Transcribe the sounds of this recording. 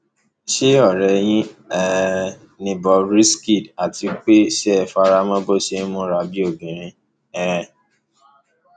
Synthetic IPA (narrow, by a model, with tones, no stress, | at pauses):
ʃe˦ɔ˦˨ɾɛ˨j̃ĩ˦ɛ˨˦ | nĩ˨bɔ˧ɾi˦ski˦˨da˨ti˨˧k͡pe˦ʃɛ˦˨fa˧ɾa˧mã˦bo˦ʃẽ˧˦mũ˦ɾa˧˦bi˦o˦˨bĩ˨ɾ̃ĩ˦ | ɛ˦ɾɛ̃˨